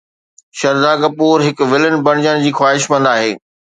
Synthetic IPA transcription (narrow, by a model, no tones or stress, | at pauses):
ʃɐɾd̪aːɡɐpuːɾɦɪkʋɪlɪnɪ̆bɐɽ̃ɪd͡ʑəɽ̃ɪ̆d͡ʑiːxwaːɦɪʃmɐ̃nd̪aːɦeː